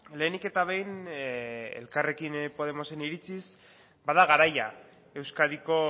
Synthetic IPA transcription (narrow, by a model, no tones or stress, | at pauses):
le̞ːnike̞t̪aβe̞jn | ḛlkare̞kinpo̞ð̞e̞mo̞se̞niɾit͡sis | baðaɣ̞aɾaja̰ | e̞wskaðiko̞